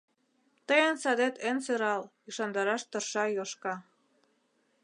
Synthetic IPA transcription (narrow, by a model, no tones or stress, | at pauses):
t̪əjə̆nsɑd̪et̪enseɾɑl | yʃɑnd̪ɑɾɑʃt̪ɤ̆rʃɑjoʃkɑ